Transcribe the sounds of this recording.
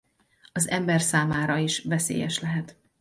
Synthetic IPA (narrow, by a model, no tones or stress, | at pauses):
ɒzɛmbɛrsaːmaːɾɒiʃvɛsḛːjɛ̰ʃlɛɦɛt̪